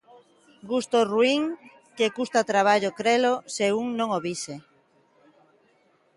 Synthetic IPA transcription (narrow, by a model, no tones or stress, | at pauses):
ɡust̪oruiŋ | kekust̪at̪ɾaβ̞aʎokɾeloseuŋnõŋoβise